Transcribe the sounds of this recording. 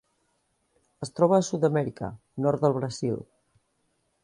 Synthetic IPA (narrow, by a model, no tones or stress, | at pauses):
əst̪ɾɔβəːsut̪əmɛɾikə̰ | nɔɾt̪̚ðəlˠβɾəzḭlˠ